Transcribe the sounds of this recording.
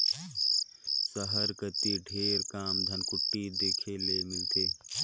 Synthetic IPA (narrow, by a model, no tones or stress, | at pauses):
səɦəɾkət̪iɖʱeːɾkaːmd̪ʱənkʊʈːid̪eːkʰelemɪlt̪eː